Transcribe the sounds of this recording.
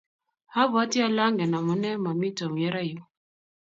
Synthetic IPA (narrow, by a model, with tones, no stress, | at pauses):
ha˦βa˦tɛ˦a˦la˦ŋɡɛ˨na˨mɔ˨nɛ˦ma˨mi˦tɔ˨mjɛ˦ɾa˦ju˦